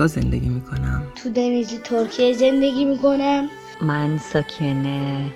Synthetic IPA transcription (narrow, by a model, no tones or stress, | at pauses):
ɒzend̪eɡʲimiːkʰonæmt̪ʰud̪enizit̪ʰoɾkʰijezend̪eɡʲiːmikʰonæm | mænsɒːkʲʰene